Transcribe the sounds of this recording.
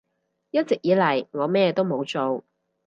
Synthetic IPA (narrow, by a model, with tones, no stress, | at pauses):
jɐ˥t̚t͡sɪ˨k̚jiː˨˥lɐ˨˩jŋɔː˨˧mɛː˥t̪o˥wmo˨˧wt͡so˨w